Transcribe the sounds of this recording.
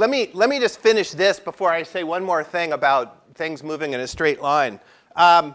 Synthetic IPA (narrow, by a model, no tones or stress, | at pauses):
lɛt̚milɛt̚mid͡ʒʌstfɪ̃nɨʃðɪsb̥əfɔɹaɪseɪwʌ̃nmɔɹθɪ̃ŋəbaʊt̪̚ | θɪ̃ŋzmuvɪ̃ŋɨ̃ñɨstɹ̥eɪʔˡlãɪ̃n | ʔʌ